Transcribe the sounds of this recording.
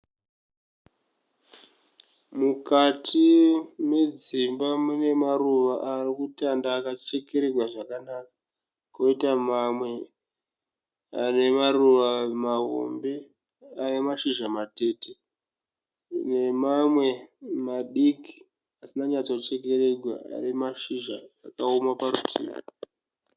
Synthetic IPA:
mukatʰime̞d͡zimbamune̞maruʋaʔarikutandaːkat͡ʃe̞ke̞ɾerwaʐakanaka | koitamamwe̞ | ane̞maruʋamaɦo̰mbe̞ | ane̞maʃiʒamate̞te | ne̞mamwe̞maɗiki̥ | asinaɲat͡so̞t͡ʃe̞ke̞ɾe̞ɡʱwa̰a̰ɾimaʃiʒaːkaomapaɾutʰḭːma

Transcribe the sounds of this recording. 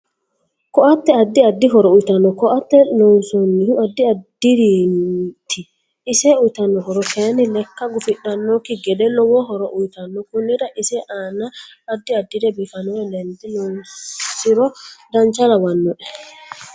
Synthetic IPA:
kɔʔat̪ːɛad̪ːiad̪ːiɦɔɾɔujt̪anːɔkɔʔat̪ːɛlɔnsɔnːihuad̪ːiad̪iɾint̪ʰiː | sɛujt̪anːɔɦɔɾɔkenilɛkːaɡʊfɪɗːanːɔkiɡɛdɛlːɔwɔɦɔɾɔʔujt̪ɐnːɔkʊnːiɾaʔisɛʔaːnaːd̪ːiad̪ːiɾɛbifɐnɔɛlɛnd̪ilɔnsiɾɔd̪ɐnt͡ʃaɾawanːɔʔɛ

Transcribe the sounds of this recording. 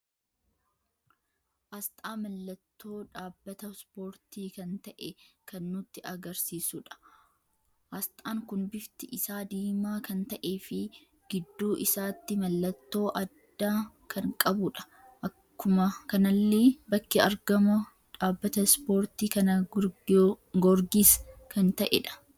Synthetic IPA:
ʔɐst̪ʼaːmɐlːɐt̪ːo̞ːᶑaːbːɐt̪ɐspo̞ːɾt̪iːkɐnt̪ɐʔɛkɐnːʊt̪ːɪʔɐɡɐɾsiːsʊᶑɐ̥ | hɐst̪ʼaːŋkʊnbɪft̪ɪʔɪsaːd̪iːmaːkɐnt̪ɐʔe̞ːfɪ | ɡ̥ɪd̪ːuːʔɪsaːt̪ːɪmɐlːɐt̪ːo̞ːʔɐd̪ːaː | kʰɐŋkʼɐbʊᶑɐ̥ | ʔɐkːʊmɐkɐnɐlːeːbɐkːɪɐɾɡɐmɐ | ᶑaːbːɐt̪ɐspo̞ːɾt̪iːkɐnɐ | ɡɔɾɡiːskɐnt̪ɐʔɛ̰ᶑɐ̥

